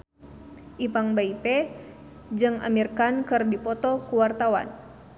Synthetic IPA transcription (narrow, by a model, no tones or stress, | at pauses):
ʔipaŋbaipɛ | d͡ʒɨŋa̰mirkankɨrdipɔt̪ɔkuwart̪awa̰n